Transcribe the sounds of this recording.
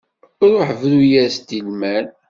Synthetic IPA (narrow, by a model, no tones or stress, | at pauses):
ɾˤʊħvlujæst̪ilmæl